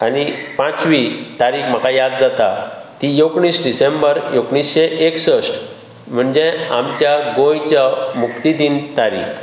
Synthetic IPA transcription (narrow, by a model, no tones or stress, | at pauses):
anipãt͡sʋit̪aɾiːkm̤əkajad̪d͡zat̪at̪ijoɡɳiːsɖisẽmbəɾjoɡɳisɕeʔeksəsʈ | m̤əɳd͡ʑeamt͡ɕjaɡojt͡ɕjamukt̪id̪int̪aɾḭːk